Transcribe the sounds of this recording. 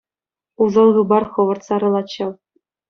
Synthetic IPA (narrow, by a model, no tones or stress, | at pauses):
uzɤ̆lˠʁɯbɑrχɤ̆ʋɤ̆rt̪sɑɾɤ̆lˠɑt͡ɕːɤw